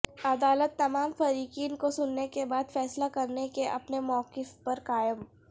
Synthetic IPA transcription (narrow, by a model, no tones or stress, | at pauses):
ɐd̪aːlət̪ːɐmaːmfɐɾiːkiːnkosʊnːekebaːd̪fɛːslakɐɾnekeʔɐ̰pnemɔːqɪfpɐɾkaːjəm